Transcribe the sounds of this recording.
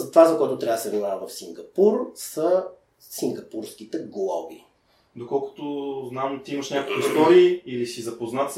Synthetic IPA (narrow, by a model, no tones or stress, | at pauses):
zɐt̪ovazɐkojɛt̪ʊt̪ɾʲad̪əsɛvnimavəvɐfsiŋɡɐpuɾsə | siŋɡɐpuɾsk̟it̪ɛɡlˠɔbḭ | d̪okɔlˠkʊ̥t̪ʊznamt̪iiməʃɲʲakokuist̪ɔɾiːilisizɐpoznat̪s